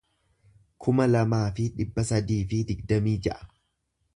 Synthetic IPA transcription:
kʰʊmɐlɐmaːfɪᶑɪbːɐsɐd̪iːfɪd̪ɪɡ̚d̪ɐmiːd͡ʒɐʔɐ̥

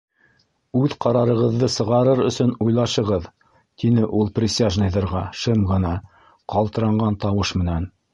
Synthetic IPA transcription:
ʉðqɑɾɑɾɤ̆ʁɤ̆ðːɤsɤ̆ʁɑɾɤɾɵ̆sɵnujlˠɑʃɤ̆ʁɤð | t̪inɘʔulˠprʲɪsʲaʒnɤjðɤ̆ɾʁɑʃɤmʁɤ̆nɑ | qɑlˠt̪ɤ̆ɾɑɴɢɑnt̪ɑwɤʃmɘ̆næn

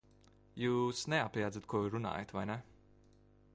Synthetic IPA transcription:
juːsnɛapʲijaːd̪zat̪̚kuɔjuɾuna̰ːjat̪vajnɛ

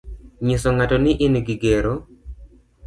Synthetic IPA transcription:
ɲisoŋatonɪʔɪnɡɪɡeɾo

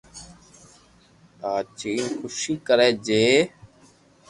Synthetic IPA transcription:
t̪aːt͡ʃiːnxʊʃiːkəɾeːd͡ʒeː

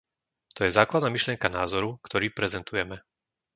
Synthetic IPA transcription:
t̪ɔjɛzaːklad̪naːmiʃlɪjɛŋkanaːzɔɾukt̪ɔɾiːpɾɛzɛnt̪ujɛmɛ

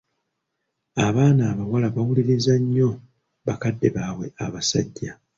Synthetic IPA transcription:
aβaːnaːβawalaβawuliɾizaɲːo̞ | βakadːe̞βaːwe̞aβasa̰ɟːa

